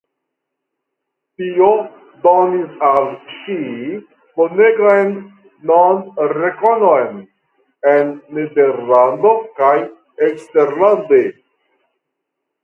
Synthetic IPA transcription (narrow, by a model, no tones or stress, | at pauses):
tio | d̪onisalʃi | moneɡojnː | onɾekonojn | enːedeɾland̪okaj | ekst̪eɾland̪e